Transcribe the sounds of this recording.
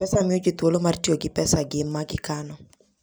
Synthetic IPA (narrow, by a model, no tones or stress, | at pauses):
pɛsamiod͡ʒit̪wolomartioɡɪpɛsaɡɪmːaɡɪkanɔ